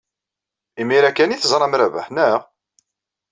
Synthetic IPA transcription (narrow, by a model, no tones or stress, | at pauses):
imiɾækːæniθzˤɾˤɑmɾævə̰ħnæ